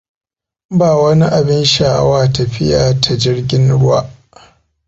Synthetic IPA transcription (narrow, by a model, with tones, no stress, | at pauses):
baː˨wɐ˦ni˦ʔa˨bɪ˦nʃaː˨˦waː˦tɐ˨ɸɪ˦jaː˨tʰa˨d͡ʒɪ˦ɽɡʲɪ˦nɽʊ˦wa̰ː˦ʔ